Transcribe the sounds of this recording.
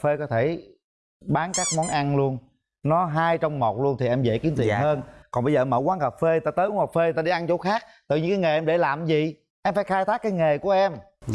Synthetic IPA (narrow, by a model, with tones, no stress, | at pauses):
fe˧kɔ˨˦t̪ʰe˧˩ | ɓaː˨˦nkaː˦˥k̚mɔ˨˦nʔa˧nlu˧ən | nɔ˨˦ɦaː˧jt͡ɕɔ˧wŋ͡mmo˨˩t̚lu˧ənt̪ʰi˨˩ʔɛ˧mzḛ˧˨ki˨˦ənt̪i˨˩ənɦəː˧nkɔ˨˩nɓə˧jzəː˨˩˧məː˧˩kwaː˨˦nhəː˨˩p̚fe˧˩t̪aː˧t̪əː˨˦jku˨˧˦həː˨˩fe˧˨t̪aː˧ɗe˧˩ʔa˧nt͡ɕo˧˦xaː˦˥k̚t̪ɨ̰˨˧˨ɲɨ̰˧˥kːŋe˨˩ʔɛ˧mɗe˧˩laː˨˩mzi˨ | ʔɛ˧mfaː˧˦jxaː˧jt̪ʰaː˦˥k̚ːaː˨˦jŋe˨˩ku˧˩əʔɛ˧m